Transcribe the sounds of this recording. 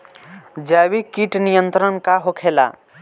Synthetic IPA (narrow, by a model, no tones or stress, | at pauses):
d͡ʒaːwikiʈnijə̃nt̪ɾənkaɦokʰeːla̰